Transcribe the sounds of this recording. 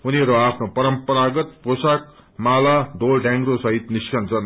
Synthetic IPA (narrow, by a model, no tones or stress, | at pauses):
uniʌɾuapʰnopʌɾʌmpʌɾaɡʌt̪̚posak̚malad̪olɖãŋɡɾosʌɦit̪niskʌnd͡zʌn